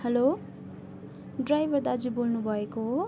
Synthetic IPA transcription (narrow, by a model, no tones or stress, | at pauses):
hʌlo | ɖrajbʱʌɾd̪ad͡zubolnubʱʌeko